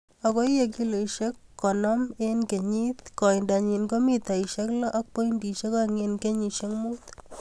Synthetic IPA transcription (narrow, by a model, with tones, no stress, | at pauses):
a˨ko˦jje˨k̬i˦lo˨ʃe˦kːɔ˨nɔmenke˨ɲi˦t̪̚kɔ˨jnda˨ɲi˨nko˦mi˦t̪a˨iʃe˦klɔ˦ʔːk̚po˦indi˨ʃe˦kaŋe˧nke˦ɲi˨ʃe˦ŋmu˦t̪